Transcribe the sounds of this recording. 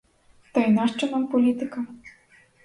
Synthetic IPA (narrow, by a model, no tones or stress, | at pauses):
t̪ɐjnaʂt͡ʂɐnampɔlʲit̪ɨkɐ